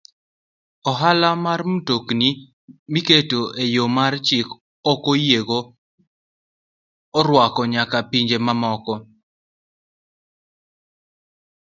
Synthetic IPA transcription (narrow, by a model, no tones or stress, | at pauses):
ɔɦalamarmutokni | miketoʔejomart͡ʃɪk | ɔkojeɡo | ɔɾwakɔɲakapiɲd͡ʒemamɔkɔ